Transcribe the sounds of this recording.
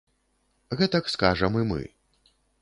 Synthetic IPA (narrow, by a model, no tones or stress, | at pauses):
ɣɛt̪ɐkskaʐɐmɨmɨ̰